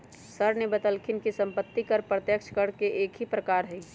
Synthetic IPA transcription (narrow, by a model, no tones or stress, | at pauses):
səɾnebət̪əlkʰɪnkisə̃mpət̪ːikəɾpɾət̪jəkʃʰkəɽkeʔeːkɦipɾəkaːɾɦɛi